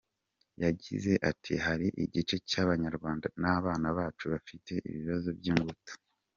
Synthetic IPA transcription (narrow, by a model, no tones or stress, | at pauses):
jaɟḭze̞ʔatʰihaɾiʔiɟit͡ʃe̞caːβaɲaɾɡwaːndanaːβaːnaβaːt͡ʃuβafite̞ʔḭβiβazo̞bjiːŋɡutu̥